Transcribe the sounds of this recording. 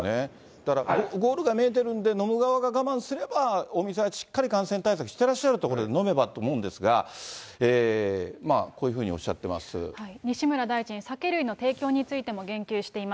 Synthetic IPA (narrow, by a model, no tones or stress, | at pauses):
ne | d̪̥akɾaɡoɡo̞ːɾɯ̟ɡameːt̪̬e̞ɾɯ̟̃nd̪e̞no̞mɯ̟ɡaβaɡaɡamãɰ̃sɨɾe̞bao̞mʲis̬eaɕi̥kːaɾʲikãɰ̃sẽ̞nt̪ais̬akɯ̟ɕi̥t̪e̞ɾaɕːaɾɯ̟t̪oko̞ɾo̞d̪e̞no̞me̞bat̪oːmo̞ɯ̟̃nd̪e̞sɨɡa̰eːma̰ko̞ːjɯ̟ɸɯ̟ːɲ̟io̞̰ɕːa̰t̪ːe̞̰ma̰sɨ̰haiɲ̟iɕimɯ̟ɾad̪aid͡ʑĩɰ̃sake̞ɾɯ̟ino̞t̪e̞ːkʲo̞ːɲ̟it͡sɨit̪e̞mo̞ɡẽ̞ŋkʲɨːɕi̥t̪e̞ima